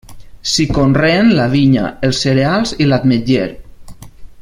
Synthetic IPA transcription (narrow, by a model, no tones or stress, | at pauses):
sikonrenlaβiɲa̰elˠsːeɾealˠzilat̪med͡ʒeɾ